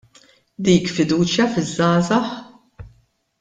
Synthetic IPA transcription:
d̪iːkfɪd̪uːt͡ʃjɐfɪzːɐːzɐħ

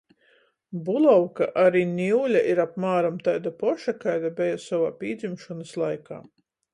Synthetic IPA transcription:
bulˠɔwkaʔaɾiːnʲiwlʲaʔiɾap̚maːɾamt̪ajd̪apɔʃakajd̪abɛjasɔvaːpʲiːd̪zimʃɔnɨslˠajka̰ː

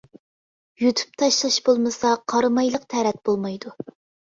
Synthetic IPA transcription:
jut̪ʰy̥p̚t̪ʰɑʃlˠɑʃbolˠmɨsɑqʰɑɾɨmɑjlˠəqt̪ʰɛɾɛt̪̚b̥olˠmɑjd̪u

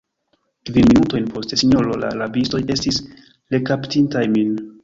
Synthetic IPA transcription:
kvinminutojnpʰo̞stesiɲolo̞la̰labisto̞je̞stis | le̞kaptintajmin

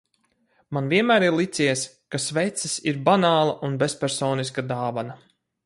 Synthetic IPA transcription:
manvʲiɛnmæːɾiɾlˠit̪siɛs | kasvɛjt̪sisiɾbanaːlˠaʔunbespʲɛɾsɔːniskad̪aːvana

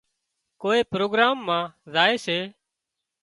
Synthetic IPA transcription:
koːeːpɾoːɡɾaːmːãːzaːeːseː

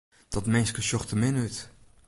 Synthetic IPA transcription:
d̥ɔtmɛnskəʃɔχtəmɪnyt

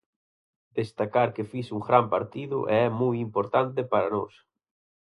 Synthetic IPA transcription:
d̪est̪akaɾkefisuŋɡɾampaɾt̪iðʊ̰ʔḛɛmujimpoɾt̪ant̪epaɾanɔs

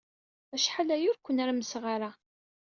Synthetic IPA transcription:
æʃħalæjʊɾkʷːənæɾaməsʁaɾa

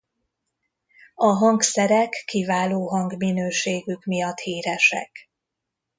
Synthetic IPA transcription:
ɒɦɒŋksɛɾɛkːivaːloːɦɒŋɡminøːʃeːɡykmijɒt̪hiːɾɛʃɛ̰k

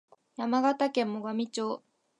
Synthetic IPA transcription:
jamaɡat̪akẽ̞mːo̞ɡamʲit͡ɕoː

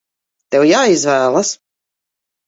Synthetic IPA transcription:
t̪ɛwjaːizvæːlˠas

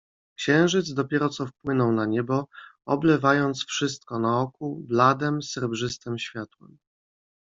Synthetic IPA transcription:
kɕɛ̃w̃ʐɘd̪zd̪ɔpʲjɛɾɔt̪sɔfpwɘnɔwnaɲɛbɔɔblɛvajɔnt̪sfʂɘst̪̚kɔnaɔkublad̪ɛmsɛɾbʐɘst̪ɛmɕfʲjat̪wɛ̰m

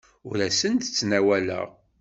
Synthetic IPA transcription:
ʊɾæsənd̪ət͡sːnæwælə̰ʁ

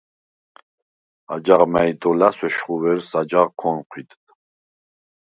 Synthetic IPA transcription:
a̰d͡ʒaʁmajd̪ɔlaswɛʃχuvɛɾsad͡ʒaʁkʰɔnqʰwit̪ʼ

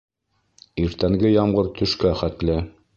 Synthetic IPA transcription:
iɾt̪æŋɡɘjɑmɢɤɾt̪ɵ̆ʃkæχæt̪lɘ

